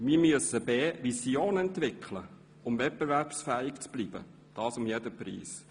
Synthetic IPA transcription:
miːɾmyəsəbeːvisjoːnəɛnt̪vɪkʰlə̰ | ʊmvɛt̚b̥evæɾpsfɛːɪkt͡sb̥liːb̥ə̰ | d̥ɑːsʊmjedəprḭːs

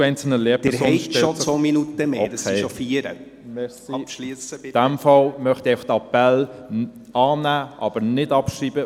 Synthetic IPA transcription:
ɛɪnt͡sl̩nəleəbdhɛɔʃɛosominut̪əmeokʰeofiəɾ | mɛsipisd̥æmfɑlmœχt̪ieɪfɑχtɑpɛl | ɑːnæːʔɑb̥əɾnɪdɑpʃiːb̥ə

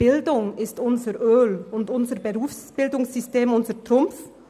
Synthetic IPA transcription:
b̥ɪldʊŋɪstʊnzəʁʔøːlʊntʊnzəʁbeʁuːfsb̥ɪldʊŋsʏsteːmʊnzəʁtʁ̥ʊmf

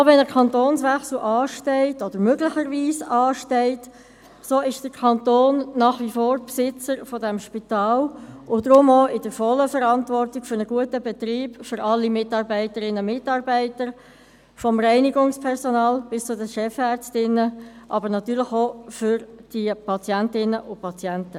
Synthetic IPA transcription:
vɛnəkʰɑntoːnsʋɛxsl̩ʔɑːʃtɛɪtɔd̥əɾmøɡləxəɾʋiːsɑːʃtɛɪt | soːɪʃd̥əɾkʰɑntoːnnɑːχʋifoːɾpsɪt͡səɾfɔdɛmʃpitɑːlʊd̥ɾʊmoɪd̥əɾfɔlːəfəɾɑntvɔrtɪɡ̥fʏɾnəɡ̥uətəbɛtɾiːbfʏɾɑlːimɪtɑːɾbæɪtəɾɪnːəmɪtɑːrbæɪtəɾ | fɔmrɛɪniɡʊŋspʰɛʁsɔnɑːlb̥ɪst͡sʊdəʃɛfɛɾt͡stɪnːəʔɑbəɾnɑtyːɾlɪxofʏɾd̥ipʰɑt͡sjæntɪnəʔʊpʰɑt͡sjæntə

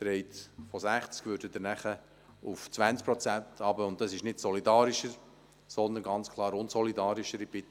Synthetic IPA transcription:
t̪ɾɛɪtfɔsæχt͡skvʋøːɾdəd̪əɾnæχə | uft͡svʋænt͡sk̚pɾɔt͡sæntʰɑbəʊnttɑsɪʃnɪtsɔlidɑːɾɪʃəɾ | sɔnd̪ənɡɑnt͡skʰlˠɑːɾʊnsɔlidɑːɾɪʃəɾib̥ɪt̪

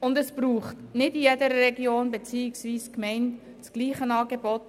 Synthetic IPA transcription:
ʊndɛsb̥ruːχtnɪdijedəɾəɾɛɡjoːnbet͡siːiksʋiːskmɛɪnt | t͡sɡ̥liːχənɑːɡebɔt

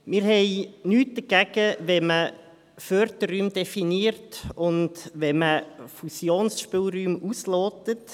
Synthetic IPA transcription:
mɪːɾhɛɪnyːt̚d̪əɡ̥ɛɡ̥əʋɛmə | fœɾd̪əryːmdɛfiniəɾtʊndʋɛməfusjoːnsʃpɪːlɾyːmusloːtət

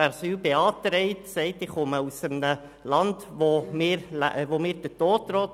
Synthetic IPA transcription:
ɛɾsyːlbeɑːtɾɛɪtsɛɪtɪχχɔməusəmnə | lɑndʋomɪːɾl̰ʋomiːɾd̥ətoːtːɾɔːt

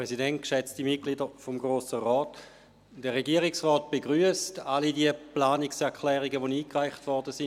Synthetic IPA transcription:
pʁɛsidɛntʃɛt͡stimit̚klidəfomɡʁoːsəʁɔːt | d̥əʁːeɡiəʁiksʁɔːt̚b̥eɡʁyːəstalidiəplaːniksɛɐkʰlɛːʁiɡəʋoniːkʁaɪχtʋɔɐdəsin

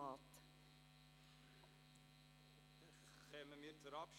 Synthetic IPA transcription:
ɑt̪ | χɛməmiːɾt͡sʊɾɑpʃ

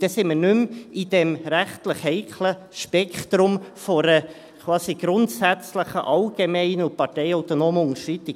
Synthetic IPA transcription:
d̥ɛsɪməɾnʉmid̥ɛmɾæχt̪ləχhɛɪkʰlə | ʃpɛkχt̪ɾʊmfɔɾə | kʰwvɑːsiɡ̥ɾʊntsæt͡sləχə̰ʔɑlɡ̥emɛɪnəʊpɑɾtɛɪœʊt̪ɔnoːməʊŋəʃtɾit̪i

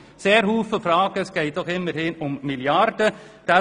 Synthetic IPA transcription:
seːɾɦuːfəfɾɑːɡ̥əsɡ̥eɪdɔχɪmːəɾhɪnʊmmɪljɑɾd̪ə | d̥̪a

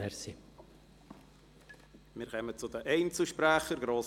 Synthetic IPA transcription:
ɛɾsi | mɪːɾkœmət͡sʊdəʔɛɪnt͡sl̩ʃpɾæχəɾɡɾoːs

